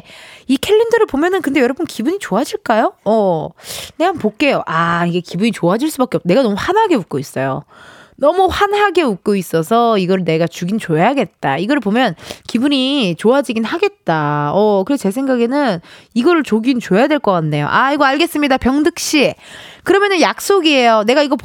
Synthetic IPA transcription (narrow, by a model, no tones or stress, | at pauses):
ikʰe̞ɭːendʌɾɯɭpomjʌnɯnkɯndejʌɾʌbɯnkibuɲit͡ɕoad͡ʑiɭk͈ajoʌ | ne̞ɦanpok͈e̞joʔaiɡe̞kibuɲit͡ɕoad͡ʑiɭs͈ubak͈eʌp̚ne̞ɡanʌmuɸanɦaɡe̞uk̚k͈ois͈ʌjo̰nʌmuɸanaɡe̞uk̚k͈ois͈ʌsʰʌiɡʌɾɯɭne̞ɡat͡ɕuɡint͡ɕoeaɡe̞t̚t͈aiɡʌɾɯɭpomjʌnkibuɲit͡ɕoad͡ʑiɡinɦaɡe̞t̚t͈aʌkɯɾet͡ɕe̞sʰeŋɡaɡe̞nɯniɡʌɾɯɭt͡ɕoɡint͡ɕoejadweɭk͈ʌk͈anːe̞jo̰ʔaiɡʌaɭɡe̞s͈ɯmɲidapjʌŋdɯk̚ɕ͈ikɯɾʌmjʌnɯnjak̚s͈oɡie̞jone̞ɡaiɡʌ